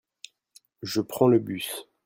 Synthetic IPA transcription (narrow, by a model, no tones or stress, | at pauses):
ʒəpχɑ̃ləbys